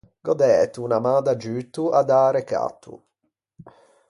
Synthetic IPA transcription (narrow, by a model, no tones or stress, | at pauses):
ɡ̥ɔd̪ɛːt̪unamaːd̪ad͡ʒyːt̪ːuad̪aːɾeka̰t̪ʰːṵ